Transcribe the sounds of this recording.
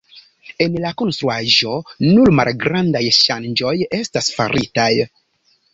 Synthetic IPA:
e̞nlako̞nst̪ɾuaʒo̞nulma̰lɡɾandajʃand͡ʒo̞je̞stasfaɾʔitaj

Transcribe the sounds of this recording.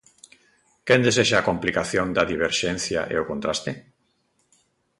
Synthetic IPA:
kend̪es̬eʃaːkomplikaθjond̪ɐðiβ̞eɾʃen̟θja̰ʔḛokont̪ɾast̪e

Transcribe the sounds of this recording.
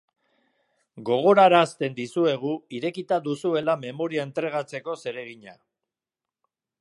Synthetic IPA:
ɡo̞ɣ̞o̞ɾaɾaːst̪e̞nd̪isue̞ɣ̞uiɾe̞kit̪ad̪usue̞lame̞mo̞ɾiae̞nt̪ɾe̞ɣ̞at͡se̞ko̞se̞ɾe̞ɣ̞iɲa

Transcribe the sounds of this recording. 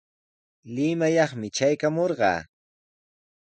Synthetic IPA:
lɪmajɑχmɪt͡ʃajkamoɾɢɑ̰ː

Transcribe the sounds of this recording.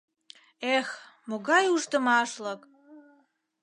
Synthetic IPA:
exmoɣɑjuʃt̪əmɑʃlək

